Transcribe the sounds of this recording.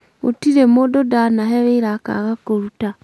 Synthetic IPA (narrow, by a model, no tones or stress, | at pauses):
o̰tiɾemododanaɦeβeiɾaka̰ɣakoɾuta